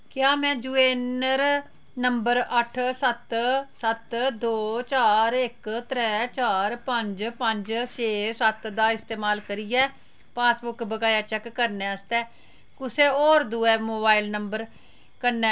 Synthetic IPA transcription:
kjaːmɛ̃ːd͡ʒuːeːnəɾ | nəmbəɾəʈʰsət̪sət̪d̪oːt͡ʃaːɾɪkt̪ɾɛːt͡ʃaːɾpəɲd͡ʒpəɲd͡ʒt͡ʃeːsət̪d̪aːɪst̪eːmaːlkəɾiːɛː | paːsbʊkbəɡaːjaːt͡ʃɛːkːəɾnɛ̃ːəst̪ɛː | kʊseːɔːɾd̪uːɛːmoːbaːilnəmbəɾ | kəɾnɛː

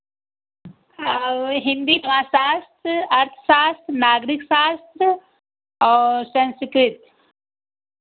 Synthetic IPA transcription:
ɦɪ̃nd̪iːt̪ɐmaːsaːst̪ɾəɐɾt̪ʰʃaːst̪ɾnaːɡɾiksaːst̪ɾ | ɔːɾsɐ̃nsɪkɾɪt̪

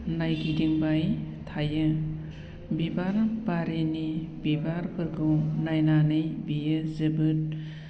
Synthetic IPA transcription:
najɡidiŋbaj | tʰajɯ | bibaɾbaɾenibibaɾbɯɾɡɯwnajnanɯjbijɯzɯbɯt̚

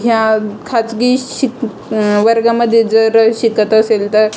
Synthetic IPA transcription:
ɦjakʰat͡sɡiːɕik | ʋəɾɡaməd̪ʱjed͡zəɾəɕikət̪əselt̪əɾ

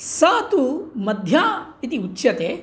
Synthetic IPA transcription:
saːt̪umɐd̪ʱjaːit̪iutːt͡ʃɐt̪eː

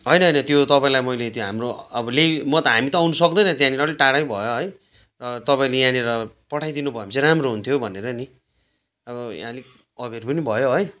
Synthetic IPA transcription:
ɦʌjnʌɦʌjnʌt̪jot̪ʌpãĩlajmʌjlet̪joɦamroʌbʌlemʌt̪ʌɦamit̪ʌːwnʌsʌk̚d̪ʌjnʌt̪jãniʌliʈaɽaj̃bʱʌjoɦʌj | rʌt̪ʌpaĩlejãniɾʌpʌʈʰajd̪inubʱʌjamseɾamroɦunt̪ʰjobʱʌneɾʌni | ʌbʌjã̰li | ʌbʱerpʌnibʱʌjoɦʌj

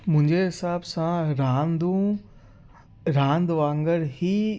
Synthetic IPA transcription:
mʊ̃ɦɪ̃ɲd͡ʑeɦɪsaːbsãɾãːnd̪ũ | ɾãːnd̪ʋãːŋɡəɾɦiː

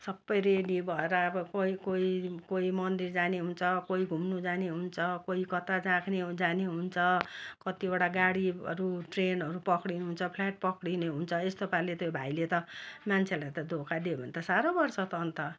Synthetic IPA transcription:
sʌbːʌjreɖibʱʌeɾʌːbʌkoikoikoimʌnd̪ird͡zaneɦunt͡sʰʌkoiɡʱumnud͡zaneɦunt͡sʰʌkoikʌt̪ad͡zãkʰned͡zaneɦunt͡sʰʌkʌt̪iboʈaɡaɽiʌ̰ɾuʈrenɦʌɾupʌkɽineɦunt͡sʰʌpʰlaʈ̚pʌkɽineɦunt͡sʰʌest̪opalet̪jobʱailet̪ʌmant͡sʰelat̪ʌd̪ʱokʰad̪ebʱʌnt̪asaɾobʌrsʌt̪ʌːnt̪ʌ

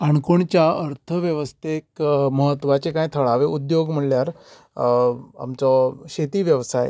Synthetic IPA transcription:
aɳkoɳt͡ɕjaəɾt̪ʰəʋjəʋəst̪ʰekməɦət̪ːʋat͡ɕekãjt̪ʰəɭaʋeʔud̪joɡm̤əɳljaɾ | a̰mt͡sɔɕet̪iːʋjəʋsaj̰

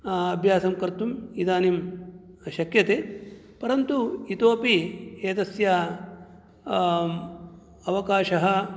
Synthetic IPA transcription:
ɐbʱjaːsɐmkɐɾt̪umid̪aːnim | ʃɐkjɐt̪eː | pɐɾɐnt̪uit̪oːpieːt̪ɐsjɐ | ɐʋɐkaːʃɐɦɐ̆

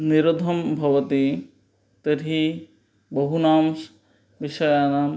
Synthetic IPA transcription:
niɾod̪ʱɔmbʱɐʋɐt̪i | t̪eɾi | bɔɦunaːms | biʃɔjanam

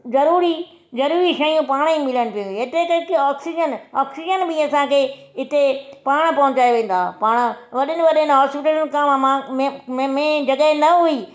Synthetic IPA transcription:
zɐɾuːɾi | zɐɾuːɾiʃɐjũpaːɽ̃imɪləɽ̃ɪ̆pijũɦet̪ekɐɾkiaːksid͡ʒənɔːksid͡ʒənbɪɐsãkʰeː | ɪt̪epaːɽ̃̆pɐ̃ɦʊ̃t͡ɕaːeʋẽːn̆d̪aːpaːɽ̃̆ʋɐɗɪnɪ̆ʋɐɗɪnɪɦaːspɪʈəɾnkãːmmãm̃mmẽd͡ʑɐɠəɦẽnɐɦui

